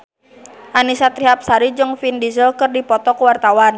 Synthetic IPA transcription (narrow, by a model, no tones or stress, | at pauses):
ʔanisat̪ɾiɦap̚saɾid͡ʒɨŋfindizɔkɨrdipɔt̪ɔkuwart̪awan